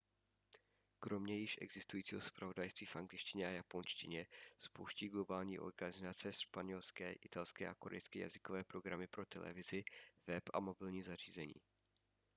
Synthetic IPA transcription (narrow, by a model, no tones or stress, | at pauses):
kɾo̞mɲɛjɪʃʔɛ̰ɡzɪst̪ujiːt͡siːɦo̞spɾavo̞dajst̪viːfʔaŋɡlɪʃcɪɲɛʔajapo̞nʃcɪ̰ɲɛspowʃciːɡlo̞baːlɲiːʔo̞̰ɾɡanɪzat͡sɛʃpaɲɛlskɛːʔɪt̪alskɛːʔako̞ɾɛ̰jskɛːja̰zɪkovɛːpɾo̞ɡɾamɪpɾo̞t̪ɛlɛ̰vɪzɪvɛpʔa̰mo̞bɪlɲiːzar̝̥iːzɛɲḭː